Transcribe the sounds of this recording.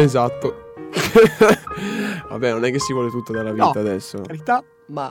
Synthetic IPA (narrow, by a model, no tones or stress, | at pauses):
ezat̪ːo | va̰bːɛnonɛk̟ːesːivwɔːlet̪ut̪ːod̪aɾlaviaːd̪ɛsːoaɾit̪a | ma